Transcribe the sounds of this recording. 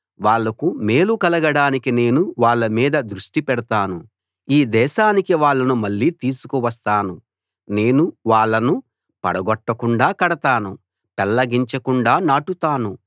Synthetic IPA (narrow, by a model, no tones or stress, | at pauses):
ʋaːɭːɐkume̞ːlukɐlɐɡɐɽaːnikine̞ːnuʋaːɭːɐmiːd̪ɐd̪ɾuʂʈipɛɽɐt̪aːnu | iːd̪ɛːʃaːnikiʋaːɭːɐnumɐɭːiːt̪iːsu̥kuʋɐs̬t̪aːnu | ne̞ːnuʋaːɭːɐnu | pɐ̰ɽɐɡɔʈːɐkuɳɖaːkɐɽɐt̪aːnu | pɛlːɐɡiɲt͡ʃɐkuɳɖaːnaːʈut̪aːnu